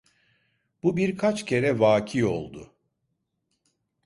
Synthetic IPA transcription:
b̥ubiɾkʰat͡ʃcʰe̞ɾɛvaːcʰijo̞̰lˠd̪ʊ

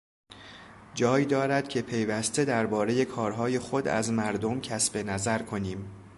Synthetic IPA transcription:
d͡ʒɒːjid̪ɒːɾæd̪̥cʰe̞pʰe̞jvæst̪e̞d̪æɾbɒːɾe̞je̞kʰɒːɾɦɒːje̞xo̞d̪æ̰zmæɾd̪o̞mcʰæsb̥e̞næzæɾkʰo̞niːm

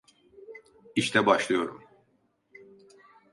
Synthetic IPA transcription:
iʃt̪ɛbaʃlˠɯjo̞ɾum

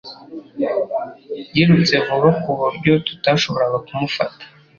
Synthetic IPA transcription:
jiɾut͡se̞vuβakuβuɾɟo̞tu̥taʃo̞βo̞ɾaɡakumufa̰tḁ

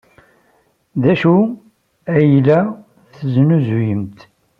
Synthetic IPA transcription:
ðæʃu | æjlæ | θznuzujəmt̪

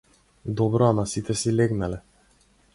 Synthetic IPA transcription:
d̪ɔbɾɔamasit̪ɛsilɛɡnalɛ

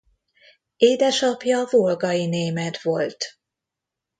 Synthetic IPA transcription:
eːd̪ɛʃɒpjɒvolɡɒjineːmɛt̪ʋo̞lt̪

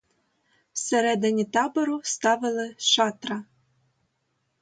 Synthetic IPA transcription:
sɘ̆ɾed̪ɘ̆nʲet̪ɑbɤ̆ɾust̪ɑvɘ̆lɘ̆ʃɑt̪rɑ

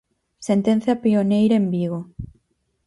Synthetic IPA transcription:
sent̪ẽn̟θjɐpionejɾɐembiɣ̞o

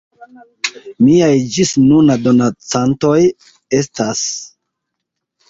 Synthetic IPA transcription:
miajd͡ʒisnunado̞nat͡santo̞j | e̞stas

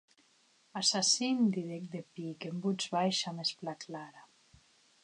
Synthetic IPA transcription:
asasind̪iðek̚d̪epikembud͡zβajʃamesplaklaɾa

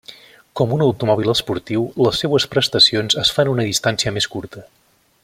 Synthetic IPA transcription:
kɔmunəwt̪umɔβ̞ilˠəspuɾt̪iwləsːewəspɾəst̪əsionzəsfanunəðist̪ansiəmeskuɾt̪ə

